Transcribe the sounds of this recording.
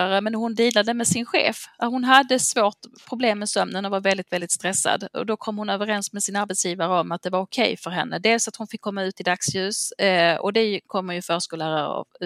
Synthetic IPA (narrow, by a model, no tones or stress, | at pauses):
aɾəmɛnhʊnd̪iːlad̪əmɛsɪnɧḛːfahʊnɦad̪ːəsvoːʈpʰɾʊbleːmːɛsœmnənɔvaɾvɛld̪ɪt̪vɛld̪ɪt̪st̪ɾɛsːa̰d̪ɔ̰d̪ɔkʰɔmːhʊnøːvəɾɛnsmɛsɪnaɾbɛt̪sjiːvaɾəɔmat̪̚d̪ɛvaɾʊkʰɛjfœɾɦɛ̰nːʔəd̪eːlsat̪hʊnfɪkʰːɔmːaʉ̟ːt̪ɪd̪aksjʉ̟ːsɔ̰d̪ɛkʰɔmːəɾjɵfœːʂkɔlæːɾaɾɑ̰v